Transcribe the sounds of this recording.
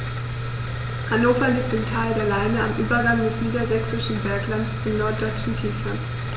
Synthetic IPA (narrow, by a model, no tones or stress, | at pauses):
hanoːfɐliːp̚tɪmtʰaɪldeːɐlaɪnəamʔyːbɐɡaŋdɛsniːdɐzɛksɪʃn̩bɛɐklant͡st͡suːnɔɐt̚d̥ɔʏt͡ʃn̩tʰiːfə